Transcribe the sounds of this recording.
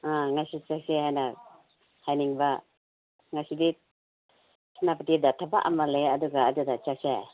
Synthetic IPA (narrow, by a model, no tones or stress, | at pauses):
ãŋasit͡ʃaksehajna | hajniŋba | ŋasidi | snapat̪idat̪ʰaba̰ʔa̰malejaduɡaːd̪udat͡ʃakse